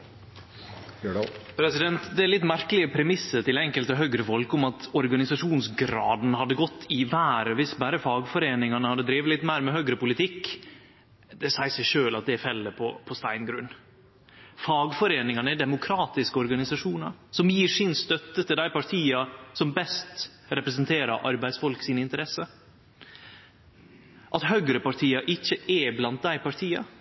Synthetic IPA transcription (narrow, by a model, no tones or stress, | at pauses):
pʰɾɛsɪd̪ɛnt̪d̪ɛælɪt̪ːmæɾkəlɪəpʰɾɛmɪsːəʈ̪ɪlɛŋkəlt̪ɔɦœɡɾəfɔlkʊmɑt̪ɔɾɡɑnɪsɑʂuːnsɡɾɑ̰ːd̪n̩hɑd̪ːəɡɔt̪ʰːɪʋæːɾəʋɪsbæːɾəfɑːɡfɔɾeːnɪŋɑnəhɑd̪əd̪ɾiːʋəlɪt̪ːmæɪɾmɛɦœɡɾəpʊlɪt̪ʰɪkː | d̪ɛsæɪsæɪʂøːlɑt̪̚d̪ɛfɛlːəpʰɔpʰɔst̪æɪnɡɾʉnː | fɑːɡfɔɾeːnɪŋɑnəɛɖ̪ɛmʊkʰɾɑːt̪ɪskəɔɾɡɑnɪsɑʂuːnɑɾsɔmjiːʂɪnst̪œt̪ːət̪ʰɪld̪æɪpɑʈʰiːɑsɔmbɛst̪ | ɾɛpɾəs̬ənt̪ʰeːɾɑɾʔɑɾbæɪd̪sfɔlksiːnəɪnt̪əɾɛsə | ʔɑt̪hœɡɾəpɑʈʰiːɑʔɪçːəɛblɑnt̪̚d̪æɪpɑʈʰiːɑ